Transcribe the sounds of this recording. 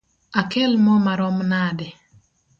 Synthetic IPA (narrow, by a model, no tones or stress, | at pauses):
akɛlmɔmaɾɔmnadɛ